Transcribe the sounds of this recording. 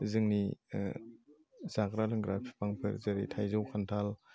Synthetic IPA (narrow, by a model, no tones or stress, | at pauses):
zɯŋni | z̥akɾalɯŋɡɾapʰi̥pʰaŋpʰɯ̰ɾzaɾḭtʰajzɔwkʰantʰal